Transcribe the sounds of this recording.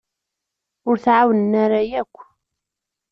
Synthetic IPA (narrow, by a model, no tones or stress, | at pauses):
ʊɾθʕawənənaɾajækʷː